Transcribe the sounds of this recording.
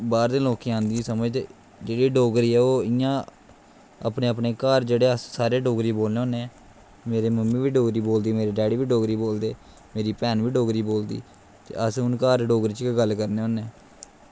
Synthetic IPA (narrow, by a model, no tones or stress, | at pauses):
baːɾd̪ẽːloːkiːãːnd̪iːsəməd͡ʒt̪e | d͡ʒeːɽiːɖoːɡɾiːɛːoːɪjãː | a̰ːpneːəpneːkaːɾd͡ʒeːɽeːəssaːɾeːɖoːɡɾiːboːlneːɦõːne | meːɾeːməmːiːʋiːɖoːɡɾiːboːld̪iːmeːɾeːɖɛːɽiːʋiːɖoːɡɾiːboːld̪eː | meːɾiːpɛːnʋiːɖoːɡɾiːboːld̪ḭː | t̪ḛːʔəsʊnkaːɾɖoːɡɾiːt͡ʃkɡəlːkəɾneːɦõːneː